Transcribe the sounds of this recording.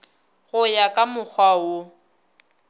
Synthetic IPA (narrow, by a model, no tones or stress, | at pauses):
ɣʊjakʼamʊk͡xʰwao